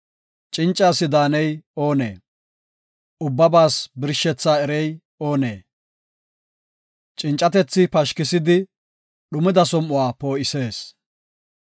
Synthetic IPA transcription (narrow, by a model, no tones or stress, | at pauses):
t͡ʃʼɪnt͡ʃʼːaːsɪd̪aːnɛjo̞ːnḛː | ʊbːɐbaːsbɪɾʃːɛt͡sːaːɛɾɛj | oːneː | t͡ʃʼɪnt͡ʃʼːɐt̪ɛt͡sːɪpɐʃkɪsɪd̪ɪ | ɗʊmɪd̪ɐsɔmːʊwaːpo̞ːɪse̞ːs